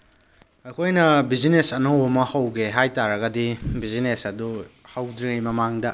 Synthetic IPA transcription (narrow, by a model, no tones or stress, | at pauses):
ɐkʰojnɐbid͡ʒinesɐnɐwbɐmɐhɐwɡeɦajtaɾɐɡɐdibizinesɐdu | hawdɾiŋɐjmɐmaŋdɐ